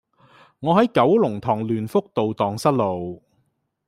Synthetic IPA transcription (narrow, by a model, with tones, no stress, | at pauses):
ŋɔː˨˧hɐ˨˥jkɐ˨˥wlʊ˨˩ŋt̪ʰɔː˨˩ŋlyː˨˩nfʊ˥k̚t̪o˨wt̪ɔː˨ŋsɐ˥t̚lo˨w